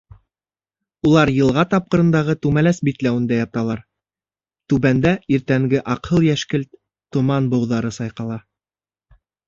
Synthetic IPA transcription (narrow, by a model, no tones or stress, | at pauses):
ulˠɑɾjɤ̆lˠʁɑt̪ɑp̚qɤ̆ɾɤ̆nd̪ɑʁɤt̪ʉmælæsbit̪læwɘ̆nd̪æjɑt̪ɑlˠɑɾ | t̪ʉβænd̪æiɾt̪æŋɡɘʔɑqhɤlˠjæʃkɘlt̪ | t̪ːŏmɑnbɤ̆wðɑɾɤsɑjqɑlˠɑ